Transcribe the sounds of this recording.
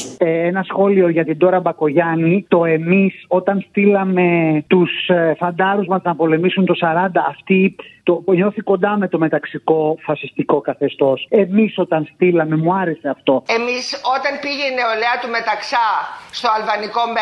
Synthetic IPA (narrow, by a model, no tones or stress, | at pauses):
eenɐsxo̞lio̞ʝɐt̪id̪o̞ɾɐbɐko̞ʝɐnit̪o̞e̞miso̞t̪ɐnst̪ilɐme̞t̪usfɐnd̪ɐɾuzmɐznɐpo̞le̞misunt̪o̞sɐɾɐnd̪ɐːft̪it̪o̞ɲo̞θiko̞nd̪ɐme̞t̪o̞me̞t̪ɐksiko̞fɐsist̪iko̞kɐθe̞st̪o̞se̞miso̞t̪ɐnst̪ilɐme̞muɐɾe̞se̞ɐft̪o̞emiso̞t̪ɐnpiʝeneoleɐt̪ume̞t̪ɐksɐst̪oɐlvɐnikom